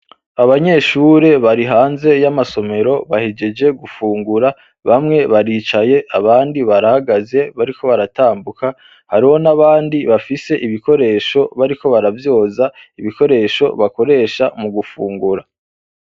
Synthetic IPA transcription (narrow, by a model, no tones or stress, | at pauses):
aβaɲe̞ʃuːɾe̞βaɾiɦaːnze̞jamaso̞me̞ɾo̞βahid͡ʒe̞d͡ʒe̞ɡufuːŋɡuɾa | βamŋe̞βaɾiːt͡ʃaje̞ʔaβaːndiβaɾahaɡaze̞βaɾikʰo̞βaɾataːmbuka | haɾiho̞naβaːndiβafise̞ʔiβiko̞ɾe̞ːʃo̞βaɾiko̞βaɾavjo̞ːzaiβiko̞ɾe̞ʃo̞̰βako̞ɾe̞ːʃamuɡufuːŋɡuɾa